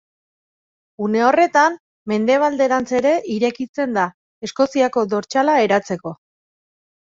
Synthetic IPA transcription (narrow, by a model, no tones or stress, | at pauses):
une̞o̞re̞t̪am | me̞nd̪e̞β̞ald̪e̞ɾant͡se̞ɾe̞ʔiɾe̞kit͡se̞nd̪a | e̞sko̞siako̞d̪o̞ɾt͡ʃalae̞ɾat͡se̞ko̞